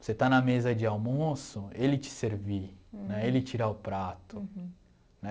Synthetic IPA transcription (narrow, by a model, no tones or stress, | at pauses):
oset̪anɐmezɐd͡ʒɪawmosʊelɪt͡ʃɪ̥seɾvinɛelɪt͡ʃiɾaʊpɾat̪ʊ | nɛ